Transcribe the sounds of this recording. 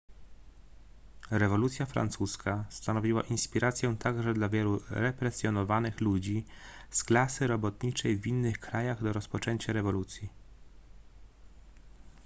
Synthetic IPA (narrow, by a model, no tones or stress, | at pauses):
ɾɛvɔlut̪sʲjafɾa̰nt̪suskʰast̪anɔvʲiwa̰ʔinspʲiɾat̪sjɛt̪aɡʐɛd̪lavʲjɛluɾɛpɾɛsʲjɔnɔvanɘxlud͡ʑisklasɘɾɔbɔt̪ɲit͡ʂɛjvʲinːɘxkɾajaɣd̪ɔɾɔspɔt͡ʂɛɲt͡ɕaɾɛvɔlut̪sʲji